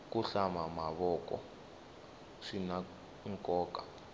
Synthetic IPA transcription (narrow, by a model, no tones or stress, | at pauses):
k̬ʼuɬamamaβɔkɔ̰ | ʂina | iŋkʼɔːkʼa